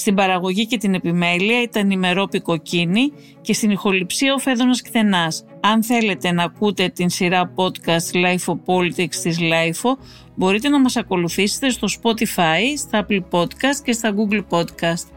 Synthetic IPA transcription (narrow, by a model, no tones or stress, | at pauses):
st̪ibɐɾɐɣo̞ʝice̞t̪ine̞pime̞liɐit̪ɐnime̞ɾo̞piko̞cini | ce̞st̪inixo̞lipsiɐo̞fe̞ðonɐskθe̞nɐs | ɐnθe̞le̞t̪e̞nɐkut̪e̞t̪insiɾɐpo̞t̪kɐst̪lɐjfo̞po̞lit̪ikst̪izlɐjfo̞ | bo̞ɾit̪e̞nɐmɐsɐko̞luθise̞̥t̪e̞st̪o̞spo̞t̪ifɐist̪ɐɐplpo̞t̪kɐst̪ce̞st̪ɐɡuɡlpo̞d̪kɐst̪